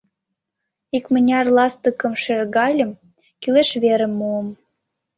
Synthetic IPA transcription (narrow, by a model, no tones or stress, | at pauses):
ikmənʲɑrlɑst̪əkə̆mʃerɣɑlʲə̆m | kyleʃβeɾĕmːuəm